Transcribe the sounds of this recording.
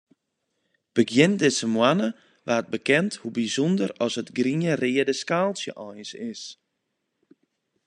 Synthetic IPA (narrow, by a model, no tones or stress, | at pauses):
b̥əɡjɪndɪsəmwanə | ʋaːət̚bəkɛnthubizɔndərɔsətɡriərɪːədəskaːlˠsjə̰ʔɔjsɪs